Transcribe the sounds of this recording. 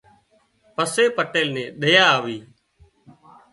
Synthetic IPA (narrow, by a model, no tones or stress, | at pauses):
pəseːpəʈeːlnẽːɗəjaːaːʋiː